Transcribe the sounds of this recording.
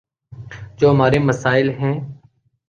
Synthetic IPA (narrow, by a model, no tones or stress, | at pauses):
d͡ʒoːɦmaːɾeːməsaːɪlɦɛ̃ː